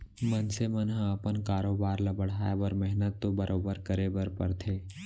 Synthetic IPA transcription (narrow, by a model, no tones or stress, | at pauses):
mənsemənɦəɐpənkaːɾoːbaːɾlabəɽ̤aːjabəɾmɛɦnət̪ːobɐɾʔoːbəɾkəɾebəɾpə̰ɾt̪ʰeː